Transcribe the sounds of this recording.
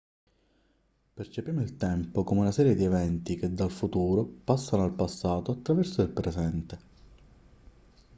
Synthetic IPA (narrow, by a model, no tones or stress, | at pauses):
pert͡ʃepjiːmoilt̪ɛmpokomeunasɛːɾjed̪ievɛnt̪iked̪ːalfut̪uːɾopasːanoalpasːaːt̪oat̪ːɾavɛrsoilpɾezɛnt̪e